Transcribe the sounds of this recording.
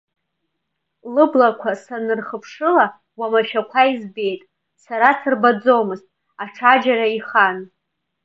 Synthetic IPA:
lɨblakʷʰasanɨrχəpʰʂɨla | wamaʃᶣakʷʰaizbe̞jtʼ | saɾasɨrbad͡zomɨztʼ | aʈ͡ʂʰad͡ʒaɾaiχan

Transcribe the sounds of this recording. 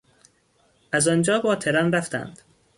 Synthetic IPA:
ʔæzɒnd͡ʒɒːbɒːt̪ʰe̞ɾɒnræft̪æ̰nd̪̥

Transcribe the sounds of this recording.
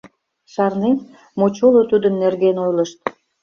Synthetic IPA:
ʃɑrnen | mot͡ɕolot̪ud̪ənːerɡenojləʃt̪̚

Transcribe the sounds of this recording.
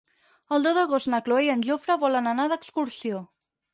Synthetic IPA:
əlˠd̪oðəɣost̪nəkloejənʲʒofɾəβɔlənənaðəkskuɾsio

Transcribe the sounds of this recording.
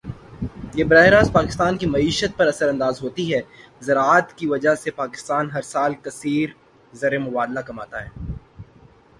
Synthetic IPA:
jebɾaːɪɾaːzpaːkɪst̪aːnkimɐiːʃət̪̚pɐɾɐsəɾɐ̃nd̪aːzɦoːt̪iɦɛː | zɐɾaːt̪kiʋɐd͡ʒaɦsepaːkɪ̥st̪aːnɦɐɾsaːlkɐsiːɾ | zɐɾemʊbaːd̪lakɐmaːt̪aɦɛː

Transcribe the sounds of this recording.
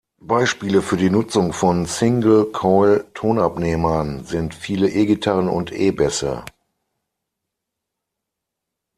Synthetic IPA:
b̥aɪʃpiːləfyːɐdiːnʊt͡sʊŋfɔnsɪŋɡl̩kʰɔɪltʰoːnapneːmɐnzɪntfiːləʔeːɡitʰaʁənʊ̰ntʔḛːbɛsə̰

